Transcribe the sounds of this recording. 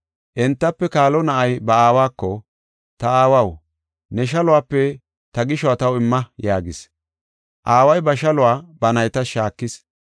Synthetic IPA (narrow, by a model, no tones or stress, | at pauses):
ʔɛnt̪ːɐpːɛkaːlɔnɐʔɐjbɐaːwaːkːɔ | t̪ɐaːwɐw | nɛʃɐlʊwaːpːɛ | t̪ɐɡɪʃɔat̪ɐwɪmːɐjaːɡɪs | ʔaːwɐjbɐʃɐlʊwaːbɐnɐjt̪ɐʃaːkːɪs